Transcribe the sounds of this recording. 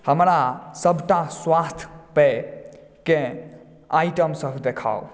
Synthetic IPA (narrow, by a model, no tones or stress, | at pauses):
həmɾasəbʱʈaswast̪ʰpe | ke | ajʈəmsəbʱd̪ekʰa̰w